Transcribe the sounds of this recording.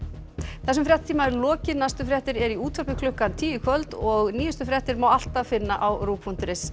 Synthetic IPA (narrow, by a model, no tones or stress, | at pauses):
θɛs̬ʏmfɾjɛt̪̚t̪ʰiːmaɛɾlɔːcɪnast̪ʏfɾjɛht̪ɪɾɛɾiuːt̪ʰfœpɪkʰlʏhkant̪ʰiːjʏkʰvœlt̪ɔɣniːjʏst̪ʏfɾjɛht̪ɪɾmawal̥t̪avfɪnːaʔawruːpʰun̥t̪ʏɾɪs